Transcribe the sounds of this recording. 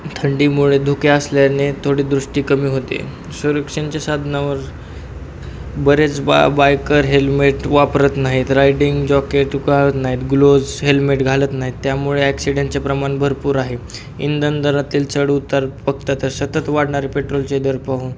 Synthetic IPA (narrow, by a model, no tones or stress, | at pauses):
t̪ʰəɳɖiːmuɭed̪ʱukeəsljanet̪ʰoɽiːd̪ɾuʂʈiːkəmiːɦot̪ḛ | suɾəkʂənt͡ɕjasad̪ʱnaʋəɾ | bəɾet͡sbajkəɾɦelmeʈʋapɾət̪naɦit̪ɾajɖiŋɡd͡ʑɔkeʈɡʱaɭət̪naɦit̪ɡlod͡zɦelmeʈɡʱalət̪naɦit̪ːjamuɭeæksiɖaɳʈt͡sepɾəmaɳbʱəɾpuːɾaɦe | ḭnd̪ənd̪əɾat̪iːlt͡səɽut̪aɾpəɡ̚t̪at̪əɾsət̪ət̪ʋaɽɳaɾepeʈɾolt͡sed̪əɾpaɦuːn